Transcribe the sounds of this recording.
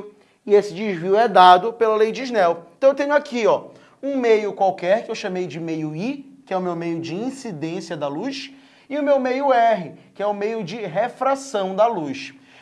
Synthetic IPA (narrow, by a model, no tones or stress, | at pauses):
ɪesɪd͡ʒiʒviʊɛd̪ad̪ʊpelɐlejd͡ʒɪiʒnɛwẽt̪ɐ̃w̃ewt̪ẽɲʊakiɔ | ũmejʊkwawkɛɾkɪewʃɐ̃mejd͡ʒɪmejʊikɪɛʊmewmejʊd͡ʒɪĩsid̪ẽsiɐd̪ɐlujʃ | ɪʊmewmejʊɛɦɪkɪɛʊmejʊd͡ʒɪɦefɾasɐ̃w̃d̪ɐluʃ